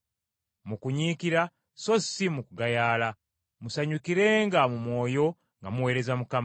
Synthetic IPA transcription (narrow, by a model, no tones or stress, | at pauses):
mukuɲiːkiɾa | so̞simukuɡajaːla | musaɲukiɾe̞ːŋɡamumwo̞ːjo̞ | ŋɡamuwe̞ːɾe̞zamukam